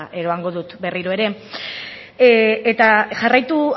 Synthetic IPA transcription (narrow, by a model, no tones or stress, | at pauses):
ʔe̞ɾo̞aŋɡo̞ðut̪be̞riɾo̞e̞ɾe̞ | et̪aʝarajt̪u